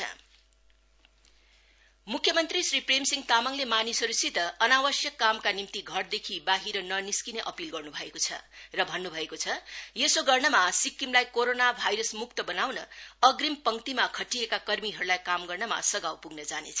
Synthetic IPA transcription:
mukʰjʌmʌnt̪risripremsiŋɡt̪amaŋlemanisʌɾusit̪ʌʌnawʌsjʌkːamkanimt̪iɡʱʌrd̪ekʰibaɦiɾʌnʌniskineʔʌpilɡʌrnubʱʌekot͡sʰʌ̰rʌbʱʌnːubʱʌekot͡sʰʌjesoɡʌrnʌmasikːimlajkoɾonabʱajɾʌsmuk̚t̪ʌbʌnawnʌʌɡrimpʌŋt̪imakʰʌʈːiekakʌrmiɦʌɾulajkamɡʌrnʌma̰sʌɡawpuɡnʌd͡zanet͡sʰʌ

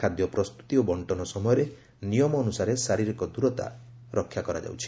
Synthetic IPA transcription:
ad̪jɔpɾɔst̪u̥t̪iobɔɳʈɔnɔsɔmɔjɔɾe | nijɔmɔːnusaɾesaɾiɾikɔd̪uɾɔt̪a̰ | ɾɔkʰːjakɔɾa̰d͡ʒa̰wt͡ʃʰi̥

